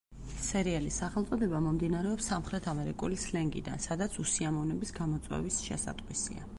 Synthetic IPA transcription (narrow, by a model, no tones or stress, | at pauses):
sɛɾialisaχɛlˠt̪sʼɔd̪ɛbamɔmd̪inaɾɛɔpsːamχɾɛt̪ʰamɛɾikʼulislɛŋɡḭd̪a̰nsad̪at̪sʰusiamɔvnɛbisɡamɔt̪sʼwɛ̰visʃɛ̰sa̰t̪ʼqʼwisḭa̰